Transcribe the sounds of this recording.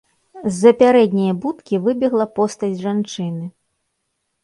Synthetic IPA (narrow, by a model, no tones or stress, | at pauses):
zːɐpʲaɾɛd̪ʲnʲijɐbut̪kʲivɨbʲɛɣlˠɐpɔst̪ɐd͡zʲʐant͡ʂɨnɨ